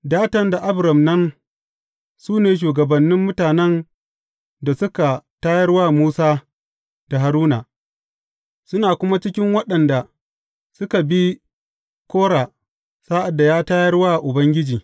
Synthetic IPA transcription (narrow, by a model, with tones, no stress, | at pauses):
daː˦tɐ˨nda˨ʔa˦bɾɐ˨mnɐ˦n | suː˦neː˨ʃ̬uː˨ɡɐ˨bɐ˨nːɪ˦mːʊ˦taː˨nɛ˦n | da˨sʊ˦ka˨taː˦jɐ˦rwaː˦muː˦saː˦ | d̥a˨ɦa˨ɾuː˦na˨ | sʊ˦naː˨kʷʊ˦ma˦t͡ʃɪ˦kʲɪ˦ŋwɐ˦ɗɐ˨nda˨ | sʊ˦ka˨bi˦ | kʷoː˦ɽaː˨ | sa˦ʔa˨dːa˨jaː˦taː˦jɐ˦rwaː˦˨ʔʊ˨bɐ˦ŋɡʲɪ˦d͡ʒiː˨